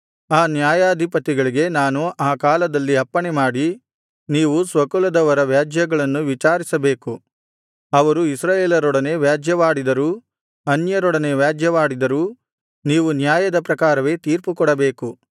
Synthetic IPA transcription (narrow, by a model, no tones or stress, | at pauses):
aːnjaːjaːd̪ʱipɐt̪ːiɡɐɭiɡe̞naːnuʔaːkaːlɐd̪ɐlːiɐpːɐɳemaːɽi | niːʋusʋɐkulɐd̪ɐʋɐɾɐʋjaːd͡ʒjɐɡɐɭɐnːuʋit͡ʃaːɾisɐbeːku | ɐʋɐɾuisɾaːjeːlɐɾɔɽɐne̞ʋjaːd͡ʒjɐʋaːɽid̪ɐɾuː | ɐnjɐɾɔɽɐneʋjaːd͡ʒʱjɐʋaːɽid̪ɐɾuː | niːʋunjaːjɐd̪ɐpɾɐkaːɾɐʋe̞ːt̪iːɾpukɔɽɐbe̞ːku